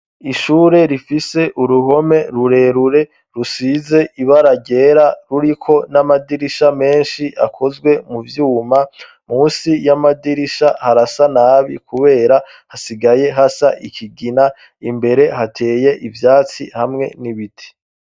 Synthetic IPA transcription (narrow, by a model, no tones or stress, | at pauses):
iʃuːɾe̞ɾifise̞ʔuɾuɦo̞me̞ɾuɾe̞ɾuɾe̞ | ɾusize̞ʔiβaɾaɟe̞ɾaɾuɾikʰo̞namadiɾiʃame̞ːnʃiʔa̰kʰo̞zɡwe̞muvjuːma | muːnsijamadiɾiʃahaɾasanaːβḭkuβe̞ːɾa | hasiɡaje̞ɦasaʔikʰiɡina | imbe̞ɾe̞ɦatʰe̞ːje̞ʔivjaːt͡sḭhamŋe̞̰niβitʰi̥